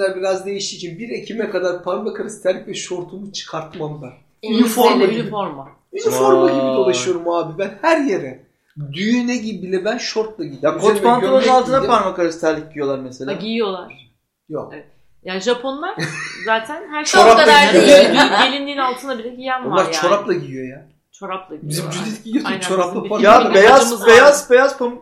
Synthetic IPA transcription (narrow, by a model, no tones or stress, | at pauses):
æɾbiɾazd̪e̞jiʃt̪ʰiːt͡ʃʰinbiɾe̞cʰimɛkad̪aɾpʰanbakʰaɾasi̥t̪ʰæɾlːʲicvɛʃo̞ɾt̪ʰumut͡ʃʰɯ̥kʰaɾt̪mambæn | ynifoɾmanifoɾma | ynifo̞ɾmaɡibid̪o̞lˠaʃɯjo̞ɾumaːbibænhæɾje̞ɾɛ | d̪yjynɛɟibilʲɛbænʃo̞ɾt̪̚lˠaɟid̪jakʰot̪pantolˠanɯnalˠt̪ʰɯnapaɾmakaɾasit̪ʰæɾlʲic̚ɟijo̞lˠaɾmeselʲaijijo̞lˠaɾ̥ | jok | jaʒapʰo̞nlˠaɾzaːt̪ʰænhæɾt͡ʃʰo̞ɾaplˠaɡiijoɛɟelʲind̪iːnalˠt̪ʰɯnabilʲɛɟijænonˠaɾt͡ʃʰːo̞ɾaplˠaɟiijo̞ja | t͡ʃʰoɾaplˠabizimd͡ʒyd̪it̪ʲɟiijosut͡ʃʰoɾaplˠapajabejazmejazbe̞jazpʰom